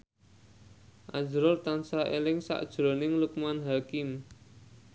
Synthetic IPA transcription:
ʔad͡ʒɾɔlt̪ansaʔelɪŋsa̰ʔd̥ʒ̥ɾo̤nɪŋluk̚manɦakɪm

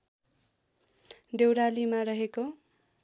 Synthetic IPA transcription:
d̪ewɾalimarʌɦeko

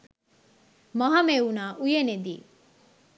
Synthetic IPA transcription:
mɐɦɐmeunaːʔujened̪iː

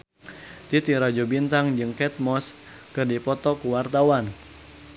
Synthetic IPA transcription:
t̪it̪iɾad͡ʒɔbint̪aŋd͡ʒɨŋkɛt̪̚mɔs | kɨrdipɔt̪ɔkuwart̪awan

